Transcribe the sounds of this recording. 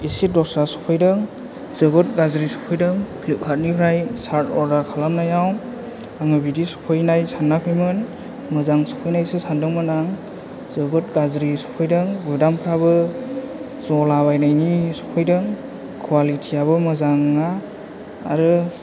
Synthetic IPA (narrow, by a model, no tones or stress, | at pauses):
isit̚dɔsɾasɔ̥pʰɯjdɯŋ | zɯbɯt̚ɡazɾisɔ̥pʰɯjdɯŋpʰlukʰat̚nipʰɾajsaɾtɔɾdaɾkʰalamnajaw | aŋɯbidisɔ̥pʰɯjnajsanːapʰɯjmɯn | mɯzaŋsɔ̥pʰɯjnajsɯsandɯŋmɯnaŋ | zɯbɯt̚ɡazɾisɔ̥pʰɯjdɯŋɡudampʰɾabɯ | zɔlaβajnajnisɔ̥pʰɯjdɯŋ | kʰwalitʰiaβɯmɯzaŋːaː | ɾɯ